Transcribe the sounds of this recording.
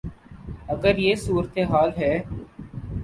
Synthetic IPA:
əɡəɾjeːsuːɾət̪eɦaːlɦɛː

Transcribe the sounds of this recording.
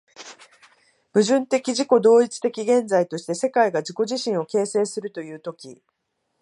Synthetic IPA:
mɯ̟ʑɨ̃nt̪e̞kʲiʑiko̞d̪o̞ːit͡sɨ̥t̪e̞kʲiɡẽ̞nd͡zait̪o̞ɕi̥t̪e̞se̞kaiɡad͡ʑiko̞ʑiɕĩɰ̃o̞ke̞ːse̞ːsɨɾɯ̟t̪o̞jɯ̟ːt̪o̞kʲḭ

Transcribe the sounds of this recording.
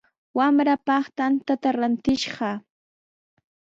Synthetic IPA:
wamɾapɑχt̪ant̪at̪aɾant̪ɪʃɢɑ

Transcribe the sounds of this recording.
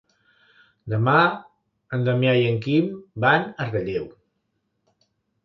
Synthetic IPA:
d̪əma | ənd̪əmjajəŋkimbanərəʎɛw

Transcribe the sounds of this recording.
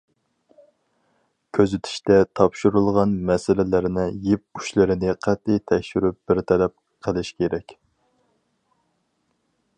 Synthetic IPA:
kʲʰøzyt̪ʰy̥ʃt̪ɛt̪ʰɑpʃuɾulˠʁɑnmɛsɪlɪlɪɾnɪjip̚yʃlɪɾɪnɪqʰɛt̪ːɪt̪ʰɛkʲʃyɾyp̚b̥ɪɾt̪ʰɛlɛp̚ | qʰəlˠɪʃkʲʰeɾɛkʲ

